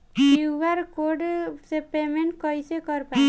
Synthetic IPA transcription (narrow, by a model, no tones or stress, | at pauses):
uwʋaɾkoɖsepemeɳʈkɔjsekɔɾpa